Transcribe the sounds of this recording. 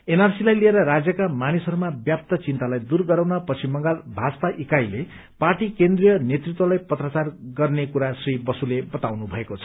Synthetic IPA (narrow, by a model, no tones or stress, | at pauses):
enarsilajlieɾʌɾad͡zjʌkamanisʌɾumabjap̚t̪ʌt͡sint̪alajd̪urɡʌɾawnʌpʌt͡sʰimʌŋɡalbʱaspaʔikajle | parʈikend̪rijʌnjet̪rit̪wʌlajpʌt̪rat͡sarɡʌrnekuɾasribʌsulebʌt̪awnubʱʌekot͡sʰʌ̥